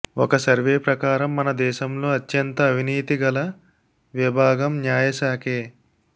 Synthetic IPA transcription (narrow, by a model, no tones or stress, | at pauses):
ɔkɐsɐɾʋeːpɾɐkaːɾɐmːɐnɐd̪ɛːʃɐmlo̞ːɐt̪ːjɐnt̪ɐːʋʱiniːt̪iɡɐlɐ | ʋibʱaːɡɐmnjaːjɐsaːkeː